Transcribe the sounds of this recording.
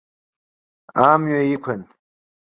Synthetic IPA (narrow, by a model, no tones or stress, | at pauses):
aːmjojikʷʰɐn